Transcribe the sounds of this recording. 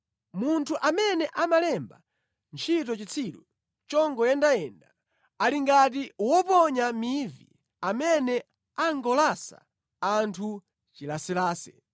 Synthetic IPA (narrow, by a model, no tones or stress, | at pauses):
muntʰuʔamɛnɛʔamalɛmba | nt͡ʃʰitɔt͡ʃit͡sʰiɗu | t͡ʃɔŋɡɔjɛndaɛnda | aliŋɡat̬iwɔpɔɲamivḭ | amɛnɛ | aŋɡɔlasa̰ | antʰu | t͡ʃilasilaːsɛ̥